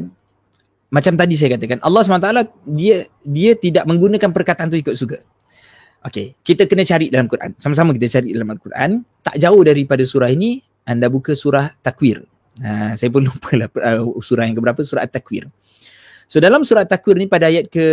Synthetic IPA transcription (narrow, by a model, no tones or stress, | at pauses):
mat͡ʃamt̪adis̬ajakat̪əkanʔɑ̰lːɑsumanat̪aladiə | diət̪idaʔ̚mə̃ŋɡunə̃kanpərkat̪aant̪̬uikʊʔ̪̚suɡa | ʔokekit̪əkənat͡ʃaɾiʔdalamkuɾʔa̰nsamas̬amak̬it̪ət͡ʃaɾiʔdalamalkurʔa̰nt̪a̰ʔd͡ʒaʊhdaɾipadasuɾaɦini | ʔandabukəsuɾaht̪akwɪr | asajəp̬ʊnlupʰəlahəsuɾahjaŋkəbəɾapəsuɾa̰ʔt̪ːakwɪ̰r | sodalamsuɾat̪ːakwɪrnipadaajat̪̚kə